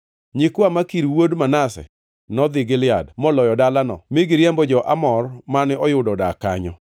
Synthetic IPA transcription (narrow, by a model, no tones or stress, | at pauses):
ɲikwamakiɾwodmanasɛ̰ | nɔd̪ɪɡɪlɪadmɔlɔjɔdalanɔ̰mɪɡɪɾjɛmbɔd͡ʒɔʔamɔrmanɪɔjʊdɔdaka̰ɲɔ̰